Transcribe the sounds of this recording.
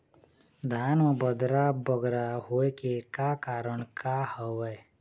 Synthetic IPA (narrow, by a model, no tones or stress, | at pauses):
d̪ʱaːnobəd̪ɾabəɡɾaɦoekekakaːɾəɳkahəʋɛj